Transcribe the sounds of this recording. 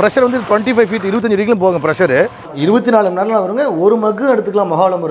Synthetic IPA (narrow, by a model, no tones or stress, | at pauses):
pɪɾɐʂɐɾɐnd̪ɯʈʋɐɳʈifɐɪʋfiːʈːɪɾɯʋɐt̪̬ːɐɲd͡ʒɯɾiːk̬ːɪlmpoːɣŋɡɐpɪɾɐʂɐɾɯ | ɪɾɯbɐt̪̬ːinaːɭɯmnɐːɾlãːʋɐɾɯŋɡɐɔɾɯmɐɣɯɐɽɯt̪ːɯkːɐlãːmɐɣaːɐɭɐmɐɾɯ